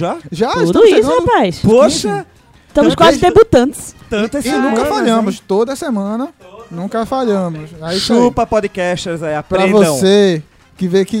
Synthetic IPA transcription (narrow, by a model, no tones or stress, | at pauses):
ʒaʒaud̪ʊisʊhapajspoʃɐ | ɪʃt̪ɐ̃mʊʃskwazɪd̪ebut̪ɐ̃t̪ɪ̥st̪ɐ̃t̪ɐsinũkɐfaʎɐ̃mʊst̪od̪ɐsemɐ̃nɐnũkɐfaʎɐ̃mʊsaisupɐpɔd̪ɪkɛʃt̪eɾzaiappɾeɐ̃voɐ̃se | kɪvekɪ